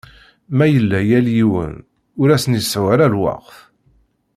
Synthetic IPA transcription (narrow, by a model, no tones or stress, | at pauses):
mæjəlːæjæljiwə̰n | ʊɾæsənjisʕwæɾælwɑ̰qθ